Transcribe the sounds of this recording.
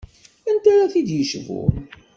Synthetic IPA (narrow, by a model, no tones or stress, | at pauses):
ənt̪aɾaθid̪jəʃvṵn